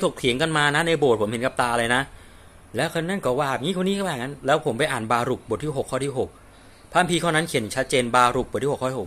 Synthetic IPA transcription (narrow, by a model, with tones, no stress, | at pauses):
kʰo˨˩k̚kʰi˨˩˦əŋka˧nmaː˧na˦˥na˧jbo˨˩t̚pʰo˩˦mhe˩˦nka˨˩p̚t̪aː˧laː˧jna˦˥ʔ | lɛː˦˥wkʰɤː˧nːa˥˩nkɔː˨˥waː˧˩˨p̚ŋiː˦˥kʰo˧nːiː˦˥kʰːaː˨˩ŋːa˦˥nlɛː˦˥wpʰo˩˦mpa˧jʔaː˨˩nbaː˧ɾu˨˩k̚bo˨˩t̪̚ʰiː˥˩ɦo˨˩kʰːɔː˥˩t̪ʰiː˥˩ɦo˨˩k̚ | pʰa˧˥˩mpʰiː˧kʰaː˥˩wna˦˥nkʰn˨˩t͡ɕʰa˦˥t̪̚t͡ɕeː˧nbaː˧ɾu˨˩k̚bo˨˩t̪̚ʰiː˥˩˨k̪ʰːk̚